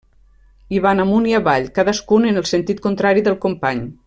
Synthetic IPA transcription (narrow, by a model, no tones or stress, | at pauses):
iβanamuniaβaʎkaðəskunənəlˠsənt̪it̪̚kunt̪ɾaɾiðəlˠkompaɲ